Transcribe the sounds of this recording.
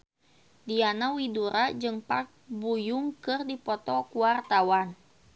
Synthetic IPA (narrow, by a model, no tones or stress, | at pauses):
dianawiduɾʔad͡ʒɨŋpak̚bujuŋkɨrdipɔt̪ɔkuart̪awan